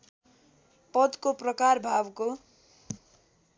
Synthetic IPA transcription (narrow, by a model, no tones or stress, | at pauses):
pʌd̪koprʌkarbʱawko